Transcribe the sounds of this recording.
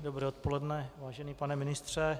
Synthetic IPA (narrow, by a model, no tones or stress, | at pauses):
dobɾɛːot̪polɛdnɛvaːʒɛniːpanɛmɪnɪst̪r̝̥ɛ